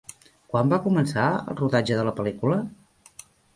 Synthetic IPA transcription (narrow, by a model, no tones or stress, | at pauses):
kwambakumənsaə̰lˠruðad͡ʒəðələpəlikulə